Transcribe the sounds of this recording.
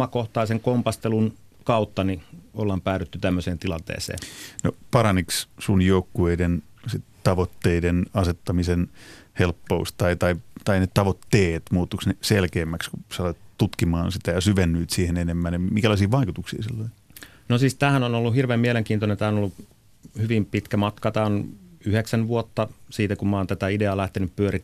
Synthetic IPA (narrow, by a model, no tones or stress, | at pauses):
ɑkoht̪ɑiseŋkompɑst̪elun | kɑut̪ːɑniolːɑmpæːɾyt̪ːyt̪æmːøseːnt̪ilɑ̰nt̪ḛːsḛːno̰pɑɾɑnikssunjoukːueiden | sit̪t̪ɑʋot̪ːeidenɑset̪ːɑmisen | helpːoust̪t̪ɑit̪ɑit̪ɑinet̪ɑʋot̪ːeːt̪muːt̪ːuksneselkeːmːækskusɑlot̪t̪ut̪kimɑːnsit̪æjɑsyʋenːyːt̪siːhenenemːænjɑmiŋkælɑisiːʋɑikut̪uksiːsilːoi | nosiːst̪æːhænonolːuhirʋeːmieleŋkiːnt̪onent̪æːonolːu | hyʋimpit̪kæmɑt̪kɑt̪æːonyheksænʋuot̪ːɑsiːt̪ækummɑːnt̪æt̪æideɑlæht̪enyppyøɾi